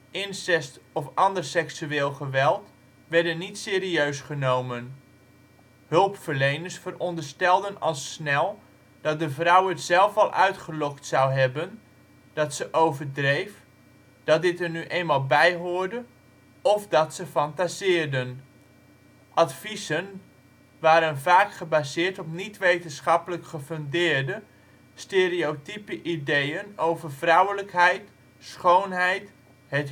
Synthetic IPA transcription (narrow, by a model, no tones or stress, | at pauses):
ʔɪnsɛstɔfɑndərsɛksyeːlˠχəʋɛlˠt | ʋɛɹdənːitsɪːɾiøɥsχənowmən | hɵlˠpfəɹlejnəɹsfərɔndəɹstɛlˠdənɑ̰lˠsnɛlˠ | d̥ɑt̚dəvrʌwətsɛlˠfɑlˠʔœ̰ɥtχəlɔktsawɦɛbən | d̥ɑtsəʔowvədrejf | d̥ɑt̚dɪtəɹnyʔejnmaːlˠbɛjɦʊːɹdə | ɔfdɑtsəfɑntazɪːɹdən | ʔɑtfisən | ʋaːɾənvaːkχəbazɪːɹtɔpnitʋejtənsχɑpələkχəføndɪːɹdə | steːɾiowtipəʔidejənowvərvrʌwələkɦɛjt | sχownɦɛjt | hɛt